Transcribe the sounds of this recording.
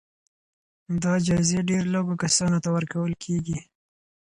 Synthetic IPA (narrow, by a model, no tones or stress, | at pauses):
d̪ɑd͡ʒazeɖeɾloɡokasɑnot̪awəɾkawəlkʰeɡi